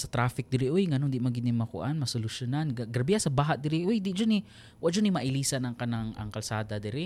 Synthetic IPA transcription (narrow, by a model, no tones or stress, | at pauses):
sɐt̪ɾaːfɪk̚d̪ɪɾɪʔojŋɐnond̪ɪʔmaŋɡɪnɪŋmɐkʊ̰ʔanmɐsolʊʃjʊnanɡɡɾɐbɪasɐbaːɦaʔd̪ɪɾɪʔojd̪ɪd͡ʒʊnɪ | wad͡ʒʊnɪmɐʔɪliːsanɐŋkɐnaŋɐ̰ŋkɐlsaːd̪ɐd̪ɪɾɪ